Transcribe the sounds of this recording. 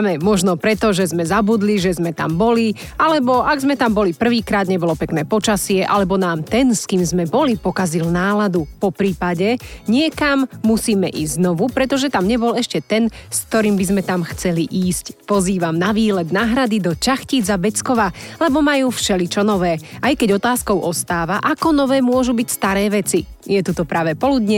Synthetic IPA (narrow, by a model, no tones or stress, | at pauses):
mɛmɔʒnɔpɾɛt̪ɔʒɛzmɛzabud̪liʒɛzmɛt̪a̰mbɔli | alɛbɔʔaɡzmɛt̪ambɔlipr̩ʋiːkɾaːd̪ɲɛbɔlɔpɛknɛːpɔt͡ʃasɪɛʔa̰lɛbɔnaːmt̪ɛnskiːmzmɛbɔlipɔkazilnaːlad̪upɔpɾiːpaɟɛɲɪɛkamːusiːmɛ̰ʔḭːzznɔʋupɾɛt̪ɔʒɛt̪amɲɛbɔlɛʃcɛt̪ɛnskt̪ɔɾiːmbizmɛt̪amxt͡sɛliʔiːscpɔziːʋamnaʋiːlɛd̪naːɦɾad̪id̪ɔt͡ʃaxciːd͡zabɛt͡skɔʋalɛbɔmajuːfʃɛlit͡ʃɔnɔʋɛːʔajkɛɟɔt̪aːskɔʊʔɔst̪aːʋaʔakɔnɔʋɛːmʊɔʒubicst̪aɾɛːʋɛt͡sijɛt̪ut̪ɔpɾaːʋɛpɔlud̪ɲɛ